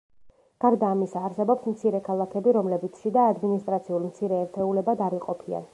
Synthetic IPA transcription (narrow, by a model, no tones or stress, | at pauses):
ɡ̥aɾd̪aːmisaːɾsɛbɔpsmt̪sʰiɾɛkʰalˠakʰɛbiɾɔmlɛbit̪sʰʃid̪aːd̪minist̪ʼɾat̪sʰiulˠmt̪sʰiɾɛːɾt̪ʰɛulɛbad̪aɾiqʼɔpʰia̰n